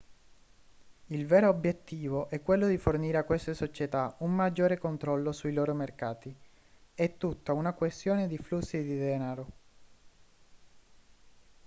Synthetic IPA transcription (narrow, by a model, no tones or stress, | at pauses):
ilveːɾoːbjet̪ːiːvoʔɛkːwelːod̪iforniːɾeakːwest̪esot͡ʃet̪aumːad͡ʒːoːɾekont̪ɾɔlːosuiloːɾomerkaːt̪i | ɛt̪ːut̪ːaunakwest̪joːned̪iflusːid̪id̪ɛːnaɾo